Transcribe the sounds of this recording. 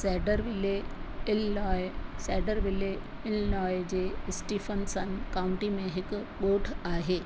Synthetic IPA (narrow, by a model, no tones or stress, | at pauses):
sɛɖəɾʋɪlel | sɛːɖəɾʋɪle | ɪlnɔːjd͡ʑesʈifʰənsənkaʊ̃ɳʈimẽɦɪk | ɓoːʈʰaːɦeː